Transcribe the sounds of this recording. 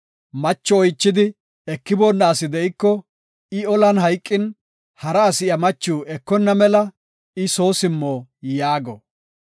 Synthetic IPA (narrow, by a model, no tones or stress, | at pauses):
mɐt͡ʃːɔɔjt͡ʃːɪd̪ɪ | ɛkːɪbɔnːaːsɪd̪ɛʔɪkːɔ | ɪɔlɐnhɐjkʼːɪn | hɐɾɐːsɪjɐmɐt͡ʃːuːɛkːɔnːɐmɛlɐ | ɪso̞ːsɪmːoːjaːɡɔ